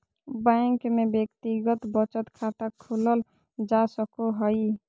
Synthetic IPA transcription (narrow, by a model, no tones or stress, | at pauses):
baŋkmebjəkt̪iɡət̪bət͡ʃət̪kʰat̪akʰuləl | d͡ʒasəkoɦəj